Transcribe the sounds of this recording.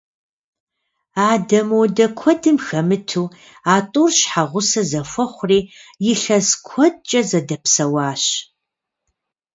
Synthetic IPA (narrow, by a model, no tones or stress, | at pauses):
aːdɐmuːdɐkʷʰɔdɨmxɐmɨtʰuː | aːtʼuːrɕħaʁʷʊsɐzɐfʷɔχʷʊriːjɪɬɐskʷʰɔd̚t͡ʃʼɐzɐdɐpsɐwaːɕ